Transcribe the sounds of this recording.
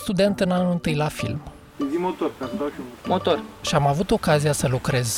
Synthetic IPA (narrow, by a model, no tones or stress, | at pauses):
st̪ud̪e̞nt̪ɨnanulɨnt̪ɨjlafḭlm | t̪o | mot̪orʃiamavut̪o̞kazijasəlukɾe̞z